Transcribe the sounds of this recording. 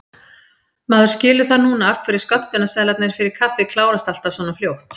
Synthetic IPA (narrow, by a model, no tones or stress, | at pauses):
maːðʏ̥scɪːlʏθaðnuːnaafkʰvɛɾɪ̥skœpt̪ɪnːasaːðlat̪nɪɾ̥fɪɾɪɾ̥kʰafɪkʰlaːwɾast̪alt̪ḁsvɔːnaljowht̪